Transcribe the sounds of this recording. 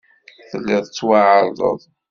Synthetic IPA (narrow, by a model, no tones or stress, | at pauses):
θəlːɪðˤt͡sːwaʕəɾðˤə̰ðˤ